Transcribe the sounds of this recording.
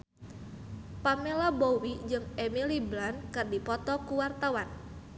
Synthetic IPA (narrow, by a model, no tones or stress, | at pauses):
pamelabowid͡ʒɨŋemiliblankɨrdipɔt̪ɔkuwart̪awan